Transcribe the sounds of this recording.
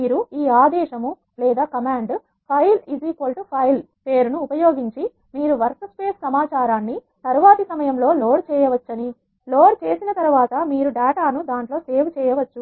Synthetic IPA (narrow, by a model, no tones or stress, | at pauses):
miːɾuiːaːd̪ɛːʃɐmu | lɛːd̪aːkɐmaːɳɖ | pʰɐjliziːkʋɐlʈpʰɐjl | pe̞ːɾunuːpɐjo̞ːɡiɲt͡ʃi | miːɾuʋɐɾsɐspeːssɐmaːt͡ʃaːɾaːnːi | t̪ɐɾuʋaːt̪isɐmɐjɐmlo̞ːlo̞ːɖt͡ʃɛːjɐʋɐt͡ʃːɐni | lo̞ːɽt͡ʃeːsinɐt̪ɐɾʋaːt̪ɐmiːɾuɖaːʈaːnud̪aːɳʈlo̞ːseːʋt͡ʃɛːjɐʋɐt͡ʃːu